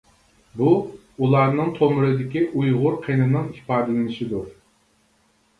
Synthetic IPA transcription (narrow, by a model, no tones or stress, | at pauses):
bu | ulˠɑɾnɨŋt̪ʰomʊɾɨd̪ɪkʲiʔujʁʊɾqʰenɨnɨŋi̥pʰɑːd̪ɨlɪnɪʃid̪u